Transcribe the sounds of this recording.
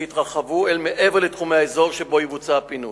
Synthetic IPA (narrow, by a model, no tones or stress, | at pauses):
itʁaχavuelmeʔeveʁletχumehaezo̞ʁʃebo̞ivut͡sapinu